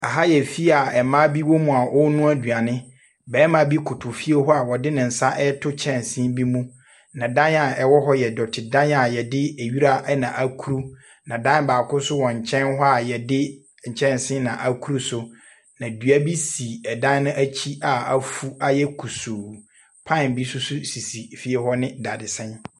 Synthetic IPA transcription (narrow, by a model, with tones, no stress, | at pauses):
a˨ɦa˦jɛ˨fi˦a˨ɛ˨mãː˦bi˦wo˦mũ˨a˨ʔʊ˦nũ˦a˦dɥa˨nɪ̃˦ | bɛː˨˦mã˨˦bi˦kʰʊ˨tʰʊ˨fi˦e˦ɦɔ˦a˨wɔ˨dɪ˦nɪ̃˨n̩˨sã˦ʔɛ˦tʰʊ˦t͡ɕʰɛ̃˦nsɪ̃˦m˦bi˦mũ˦ | nã˨dã˦na˨ɛ˨wɔ˦ɦɔ˦jɛ˨dɔ˨tʰɪ˨dã˦n˦a˨jɛ˨dɪ˦e˨ɥi˦ɾa˦ʔɛ˦nã˨ʔa˨kʰu˦ɾu˦ | nã˨dã˦n˦baː˨kʰʊ˦sʊ˦wɔ̃˨ɲ̩˨t͡ɕʰɛ̃˦nɦɔ˦a˨jɛ˨dɪ˦ | ɲ̩˨t͡ɕʰɛ̃˦n˨sɪ̃˦nã˨ʔa˨kʰu˦ɾu˦sʊ˦ | nã˨dɥa˦bi˦siː˨ɛ˨dã˦nː˦ʊ̃˦ʔæ˦t͡ɕʰi˦a˨a˨fu˦a˨jɛ˦kʰu˨suː˨ | pʰã˦˨n˨bi˦sʊ˦sʊ˦si˨si˨fi˦e˦ɦɔ˦nɪ̃˦da˨dɪ˨sɛ̃˦n